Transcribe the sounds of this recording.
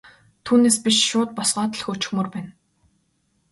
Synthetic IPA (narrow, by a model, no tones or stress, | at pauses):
t̪ʰuːneːspiʃʃʊːt̪̚pɔsɢœːt̪ə̆ɮxɵt͡ɕɪ̆xmɵrpæːn